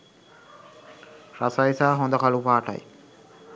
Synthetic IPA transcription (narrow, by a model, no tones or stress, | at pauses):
ɾɐsajsaːɦond̪ɐkɐlupaːʈɐ̰j̰